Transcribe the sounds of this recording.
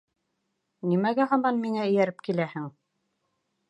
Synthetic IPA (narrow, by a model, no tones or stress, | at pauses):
nimæɡæɦɑmɑnmiŋæɵ̆jæɾɘp̚kilæhɘŋ